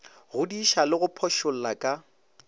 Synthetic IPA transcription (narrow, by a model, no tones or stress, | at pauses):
ɣʊdiʃalɪɣʊpʰɔʃʊl̩lakʼa